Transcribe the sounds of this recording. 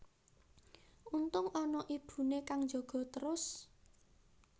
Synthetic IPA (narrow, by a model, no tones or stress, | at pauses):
unt̪ʊŋɔnɔʔib̥ṳnekaŋd͡ʒɔ̤ɡ̥ɔ̤t̪əɾʊs